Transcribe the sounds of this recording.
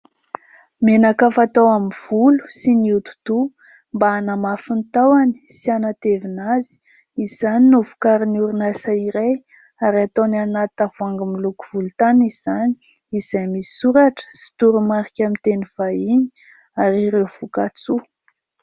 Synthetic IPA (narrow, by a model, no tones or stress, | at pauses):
menakafat̪awamiv̥ulu̥siniut̪u̥t̪u | mbaanamafint̪awani̥sianat̪evinazi̥ | izaninuvu̥kaɾiniuɾunasaiɾej | aɾat̪onanat̪avuaŋɡamiluku̥v̥ulut̪aniz̥ani̥ | iz̥ajmisi̥suɾaʈ͡ʂə̥si̥t̪uɾumaɾikʲamint̪eniv̥aini̥ | aɾiɾewv̥ukat͡su